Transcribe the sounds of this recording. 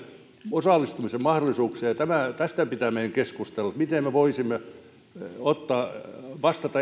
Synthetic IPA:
osɑˑlːˑist̪umisemmɑhdolˑisuːkseːjɑt̪æmæˑt̪æst̪æpit̪æmeiŋkeskust̪elːɑt̪mit̪emmeʋoisimːe | ot̪ːɑːʋɑst̪ɑt̪ɑ

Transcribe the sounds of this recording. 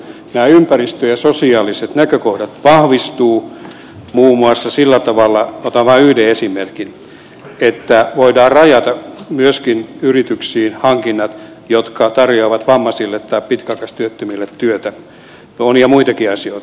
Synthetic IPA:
næːympærist̪øjɑsosiɑːliset̪nækøkohdɑt̪ʋɑhʋist̪uː | muːmuɑsːɑsilːæt̪ɑʋɑlːɑot̪ɑʋʋɑːyhdeesimerkin | et̪ːæʋoidɑːrrɑjɑt̪ɑmyøskinyrit̪yksiːnhɑŋkinːɑt̪ | jot̪kɑt̪ɑrjoɑʋɑt̪ʋɑmːɑsilːet̪t̪ɑippit̪kɑkɑst̪yøt̪ːømilːet̪t̪yøt̪æ | oniɑmuit̪ɑkiɑsioit̪ɑ

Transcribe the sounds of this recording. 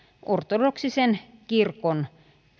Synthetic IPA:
ʔort̪odoksisenkirkon

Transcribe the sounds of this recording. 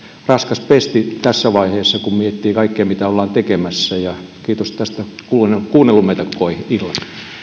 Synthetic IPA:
rɑskɑspest̪it̪æsːæʋɑiheːsːɑkummiet̪ːiːkɑikːeːmit̪æolːɑːnt̪ekemæsːæjɑkiːt̪ost̪æst̪ækuekuːnːelːumet̪ɑkːoihilːɑ

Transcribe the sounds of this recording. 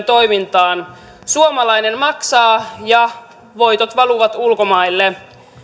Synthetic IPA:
nt̪o̞jmint̪ɑːn | suomɑlɑjne̞nmɑksɑːjɑ | ʋo̞jt̪ot̪ʋɑluʋɑt̪ulko̞mɑilːe

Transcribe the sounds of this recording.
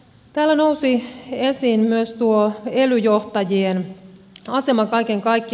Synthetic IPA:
t̪æːlːæno̞usie̞siːnmyøst̪uoe̞lyjoht̪ɑjien | ɑse̞mɑkɑjkeŋkɑjkːi

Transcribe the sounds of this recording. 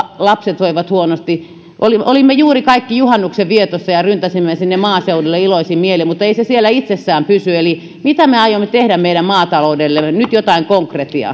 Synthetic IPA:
lɑpset̪ʋoiʋɑt̪huonost̪i | ʔoliʔolimːejuːrikɑikːijuhɑnːukseʋʋiet̪osːɑjɑrynt̪æsimːesinːemmɑːseudelːeiloisimmielimut̪ːeisesielːˑæit̪sesːæːmpysyeli | mit̪æmeɑjomːet̪ehɾæmmeiɾæmmɑːt̪ɑloudelːenyt̪jot̪ɑiŋkoŋkret̪iɑ̰

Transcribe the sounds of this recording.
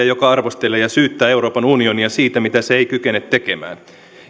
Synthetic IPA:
ɑjokɑɑrʋo̞st̪elːˑeːjɑsyːt̪ːæːewɾo̞ːpɑnunio̞niɑsiːt̪æmit̪æseejkyk̟e̞net̪ːe̞ke̞mæ̰ːn

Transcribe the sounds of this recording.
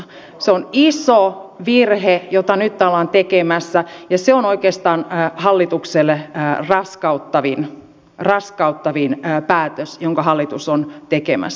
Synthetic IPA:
seonisoʋirɦejot̪ɑnyt̪ːɑlːɑːnt̪ekemæsːæjɑseonoikeːst̪ɑːnːhɑlːit̪ukselːerɑskɑut̪ːɑʋin | rɑskɑut̪ːɑʋinːpæːt̪øsjoŋkɑhɑlːit̪usont̪ekemæ̰s

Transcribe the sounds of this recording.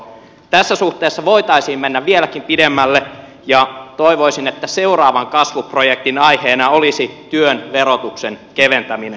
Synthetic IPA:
t̪æsːæsuht̪eːsːɑʋo̞it̪ɑisiːmmenːæʋʋielækimpidemːælːe | jɑt̪o̞iʋo̞isinet̪ːæseurɑːʋɑŋkɑsʋuprojek̚t̪inɑjheːnɑolisit̪yønʋeɾot̪uksenkeʋent̪æmine

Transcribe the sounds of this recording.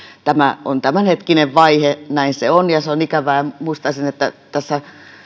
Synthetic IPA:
t̪æmæont̪æmænhet̪kineʋʋɑihenæinseonjɑseonikæʋæːmuist̪ɑsinet̪ːæ̰t̪æsːæ

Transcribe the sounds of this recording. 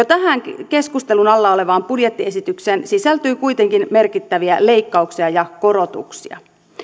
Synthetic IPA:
jot̪æɦæŋke̞skust̪elunɑlːɑole̞ʋɑːmpudjet̪ːie̞sit̪yksensisælt̪yːkujt̪e̞ŋkinme̞rkit̪ːæʋiæle̞ikːɑuksiɑjɑko̞ɾo̞t̪ṵksiɑ̰

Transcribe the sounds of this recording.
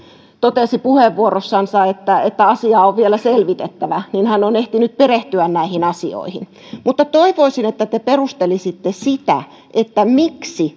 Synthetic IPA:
t̪ot̪esipuheʋːuorosːɑnsɑet̪ːæet̪ːæɑsiɑːoʋʋielæselʋit̪et̪ːæʋæninhænoneht̪inyt̪̚pereht̪yænnæihinɑsio̰ihin | mut̪ːɑt̪oiʋoisinet̪ːæt̪eperust̪elisit̪ːesit̪æ̰ | ʔet̪ːæmiksi

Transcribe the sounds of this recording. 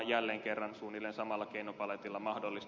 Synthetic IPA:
jjælːeːŋkerːɑnsuːnilːensɑmɑlːɑkeinopɑlet̪ilːɑmɑhdolːis

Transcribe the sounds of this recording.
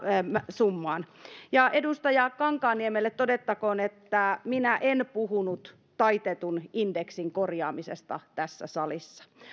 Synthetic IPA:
sumːɑːnjɑʔedust̪ɑjɑkɑŋkɑːniemelːet̪t̪odet̪ːɑkoːnet̪ːæminæʔenpuhunut̪ | tɑit̪et̪unindeksiŋkorjɑːmisest̪ɑ̰t̪æsːæ̰sɑlisːɑ̥

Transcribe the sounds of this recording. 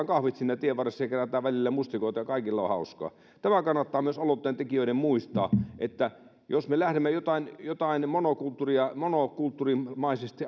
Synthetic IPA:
ŋkɑhʋit̪siːnːæt̪ieʋʋɑresːɑjɑkeræt̪ˑæːʋʋælilːæmust̪ikoˑit̪ɑjɑkɑˑikilːɑo̰hɑˑuskɑ̰ | t̪æmækɑnːɑt̪ːɑːmyøsolot̪ːeˑnt̪ekiøiɾemmuist̪ɑ̰ːʔet̪ːæ | josmelæhɾemːejot̪ɑinjot̪ɑinmonokult̪ːuriɑmonokult̪ːurimɑisest̪i

